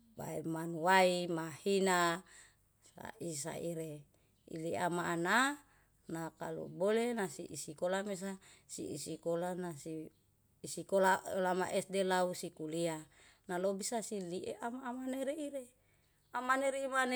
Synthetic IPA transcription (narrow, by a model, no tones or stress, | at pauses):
ba̰emanuwaimahina | sa̰is̬a̰iɾe | ḭliamaːna | nakalṵbolenasiʔisikolames̬asḭḭsikolanasiː | sikolalama̰ʔesdelausikulia | nalobisasiliʔeʔamaːmaneɾeiɾe | amaneɾeimane